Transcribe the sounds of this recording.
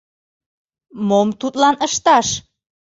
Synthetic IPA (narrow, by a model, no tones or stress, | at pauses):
momt̪ut̪lɑnəʃt̪ɑʃ